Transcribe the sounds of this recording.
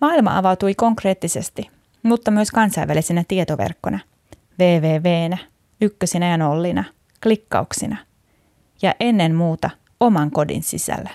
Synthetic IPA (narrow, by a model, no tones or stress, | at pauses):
mɑːilmɑ̰ʔɑʋɑwt̪ujko̞ŋkre̞ːt̪ːisest̪i | mut̪ːɑmyøskɑnsɑjʋælisenæt̪iet̪oʋḛrkːonɑ | ʋeːʋeːʋe̞ːnæ | ykːøsinæjɑno̞lːinɑ | klikːɑ̰uksinɑ | jɑʔe̞nːe̞mmuːt̪ɑ | o̞mɑŋko̞dḭnsḭsæ̰lːæ